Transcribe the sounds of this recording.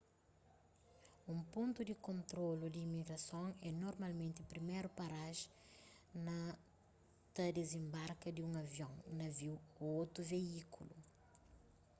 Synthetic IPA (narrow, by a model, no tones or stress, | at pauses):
ũmpõnt̪ud̪ikõnt̪ɾolud̪iːmiɡɾɐsõŋɛnoɾmɐlmẽnt̪ɪpɾimeɾupɐɾaʒ | nɐ | t̪ɐd̪ezẽmbaɾkɐd̪iũŋɐvjõŋnɐviwot̪ɾuveikulu